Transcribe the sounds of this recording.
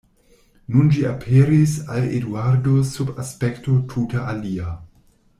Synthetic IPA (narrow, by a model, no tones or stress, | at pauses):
nund͡ʒiapʰeɾisaledwaɾdosubaspektotʰutaʔalia